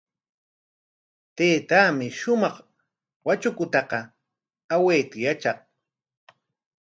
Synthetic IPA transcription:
t̪eːt̪amɪʃʊmɑχ | wat͡ʃʊkʊt̪ɑqɑ | aweːt̪ajat͡ʃɑq

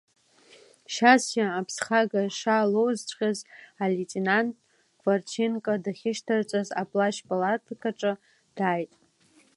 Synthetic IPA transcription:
ʃasjaːpʰsχaɡaʂalowzt͡ʃʷʰʼqʲazaletʼenantʼ | kʰʼvart͡ʃʰinkʼadaχʲɪʃtʰart͡sʷʼaza̰pʼlaʃpʼalatʰakʰaʈ͡ʂʼɨ | d̥aːjtʼ

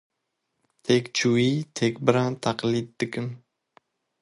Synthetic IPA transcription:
t̪ʰekʲt͡ʃʰuit̪ʰekʲbɪɾant̪ʰaqlid̪ːɪkʲɪn

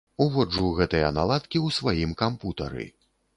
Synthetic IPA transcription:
uvɔd͡ʐuɣɛt̪ɨjɐna̰lˠat̪kʲiwsvajimkamput̪ɐ̰ɾɨ̰

